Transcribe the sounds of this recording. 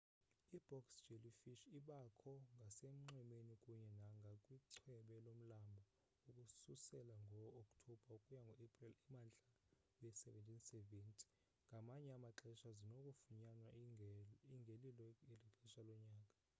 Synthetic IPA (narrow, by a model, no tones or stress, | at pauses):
ib̥ɔksd͡ʒelifiʃiɓakʰɔŋɡʱasem̩ŋ͡ǃɛmenikʼuɲɛnaŋɡʱakʼwiǀʰwɛɓɛlom̩lambʱa | ukʼususɛlaŋɡʱɔokʼtʰɔb̥ʱaukʼujaŋɡʱɔepʼrilɛmand͡ɮʱa | wɛsɛvɛntʼinsɛventʼʰi̥ | ŋɡʱamaɲɛamaǁɛʃazinokʼufuɲanwa | iŋɡʱelilɔɛliǁɛʃalɔɲaːkʼa